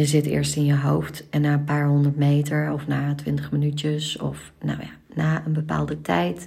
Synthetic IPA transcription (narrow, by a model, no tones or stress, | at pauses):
jəzɪtɪ̰ːɹstɪnjəɦowftɛnːaːənpaːɹɦɔndəɹtmejtəɹɔfnaːtʋɪntəχmənytjəsɔ̰f | no̰wja̰ | naːənbəpa̰ːlˠdətʰɛjt